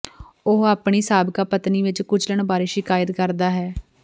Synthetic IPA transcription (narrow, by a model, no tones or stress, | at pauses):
ʊɦaːpɳiːsaːbkaːpət̪niːʋɪt͡ʃkʊd͡ʒʰləɳbaːɾeːʃɪkaːjət̪kəɾd̪aːɦɛː